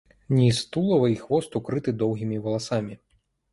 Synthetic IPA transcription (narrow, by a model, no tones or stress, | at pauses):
nʲist̪ulˠɐvɐixvɔst̪ukɾɨt̪ɨd̪ɔwɣʲimʲivɐlˠasamʲi